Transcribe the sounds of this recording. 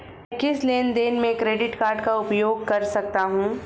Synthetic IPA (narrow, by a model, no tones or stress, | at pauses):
kɪsleːnd̪eːnmẽkɾeːɖɪʈkaːɾɖkaʊpjoːɡ̚kɐɾsɐk̚t̪aɦũː